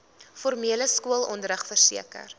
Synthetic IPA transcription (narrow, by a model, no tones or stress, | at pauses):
fɔrmiələskuəlˠɔndəɾəχfərsḭəkə̰r